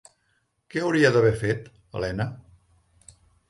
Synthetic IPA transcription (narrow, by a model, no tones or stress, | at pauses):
kɛəwɾiəðəβ̞ɛfet̪ | ə̰lɛnə